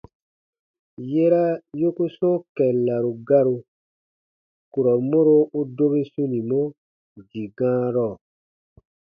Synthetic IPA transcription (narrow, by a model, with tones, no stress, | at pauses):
je˦ɾa˦jo˦ku˦sɔ̃˦kɛ˨la˨ɾu˨ɡa˦ɾu˧ | ku˨ɾɔ˨mõ˦ɾo˦u˦do˦be˦sũ˦nĩ˨mɔ̃˦ | di˨ɡãː˦ɾɔ˦˨